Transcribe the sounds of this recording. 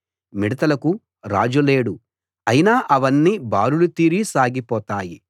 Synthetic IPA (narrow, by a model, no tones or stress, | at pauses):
miɽɐt̪ɐlɐku | ɾa̰ːd͡ʒule̞ːɽu | ɐjinaːʔɐʋɐnːiːbaːɾulut̪iːɾisaːɡipɔːt̪aːji